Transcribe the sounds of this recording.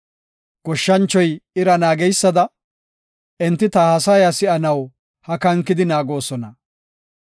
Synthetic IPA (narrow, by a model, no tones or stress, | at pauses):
ɡ̥ɔʃːɐnt͡ʃːɔjɪɾɐnaːɡɛjsːɐd̪ɐ | ʔɛnt̪ːɪt̪ɐhɐsɐjasɪʔɐnɐw | hɐkɐŋkːɪd̪ɪnaːɡo̞ːsɔnɐ